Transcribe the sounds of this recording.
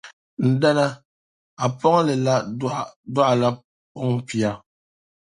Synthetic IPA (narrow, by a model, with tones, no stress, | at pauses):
n̩˨da˦na˦ | a˨pɔ˦ŋ˦lɛ˨la˦dwa˦˨la˦ | pɔ˦ŋ̩˦pi˨a˨